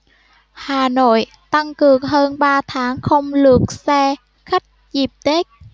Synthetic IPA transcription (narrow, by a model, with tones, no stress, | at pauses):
haː˨˩no̰˧˨j | t̪a˧ŋkɨ˨˩əŋɦəː˧nɓaː˧t̪ʰaː˨˦ŋxə˧wŋ͡mlɨ˨˩ək̚sɛ˧ | xa˦˥jk̟̚zi˨˩p̚t̪e˦˥k̚